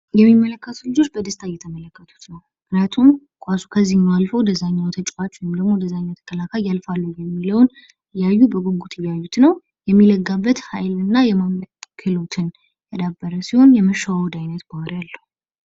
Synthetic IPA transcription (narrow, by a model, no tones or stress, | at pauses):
jɛmːimːələkːət̪ʰulɨd͡ʒo̞t͡ʃːbəd̪əst̪ʰajɛt̪ʰəmələkːət̪ʰu̥t̪nəwmʔnat̪ʰum | kʼasu̥kʰəzːihnːalfod̪əzaɲːawt̪ʰət͡ʃʼat͡ʃːwjɪmd̪əɡmo̞d̪əzaɲːawt̪ʰə̥kʰəlakʰajːalfalːəjɛmːiləwn | ɨjːajːubəɡoɡut̪ʰɨjːajːut̪nəw | jɛmːiləɡːabːət̪hajlɨnːajɛmamkʰɨlo̞t̪ʰɨn | t̪ʰəd̪abːəɾəsiho̞njɛməʃawawd̪ajnət̪bawɾjalːəhu